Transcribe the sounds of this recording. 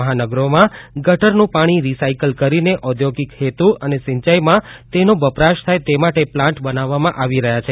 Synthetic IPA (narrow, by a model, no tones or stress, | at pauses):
əɦanəɡɾomãɡəʈəɾnũpaɽ̃iɾisaikəlkəɾineʔɔd̪ʱjoɡikhet̪uʔənesɪ̃ɲt͡ʃajmãt̪enobəpɾaʃt̪ʰajt̪emaʈeplãɳʈbənaʋːamãʔaʋiɾəɦjat͡ʃʰe